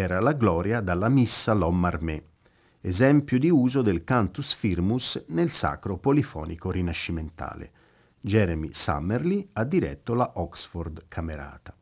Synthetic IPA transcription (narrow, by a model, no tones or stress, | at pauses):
ɛːɾalaɡlɔːɾjad̪alːamisːalɔmːarmɛ | ezɛmpjud̪iuːzod̪elkant̪usfirmusnelsa̰kɾopolifɔ̰ːnikoɾinaʃːiment̪a̰ːlḛ | d͡ʒɛɾmḭsa̰mːerliad̪ːiɾɛ̰t̪ːolaʔɔksfɔrd̪kʰameɾa̰ːt̪ḁ